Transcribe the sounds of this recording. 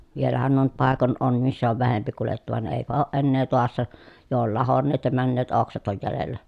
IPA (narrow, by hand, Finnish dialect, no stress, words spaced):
ʋielæhæn nuo nyt pɑˑekon on misːæ oʋ ʋæhempi kuletːu ʋɑn eˑipæ oːʔ ʔenːeː toɑsːɑ jo ol lɑhonːeːt jɑ mænːeːt oksɑt oj jælelːæ